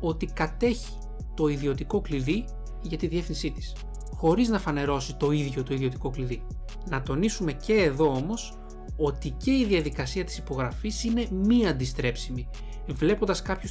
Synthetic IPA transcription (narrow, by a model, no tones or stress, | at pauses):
o̞t̪ikɐt̪e̞çi̥ | t̪o̞iðio̞t̪iko̞kliði | ʝɐt̪iðie̞fθinsit̪i̥s | xo̞ɾiznɐfɐne̞ɾo̞sit̪o̞iðʝo̞t̪o̞iðio̞t̪i̥ko̞kliði | nɐt̪o̞nisume̞ce̞ːðo̞o̞mo̞s | o̞t̪ice̞iðiɐðikɐsiɐt̪i̥sipo̞ɣɾɐfisine̞miɐnd̪ist̪ɾe̞psimi | vle̞po̞nd̪ɐskɐpçus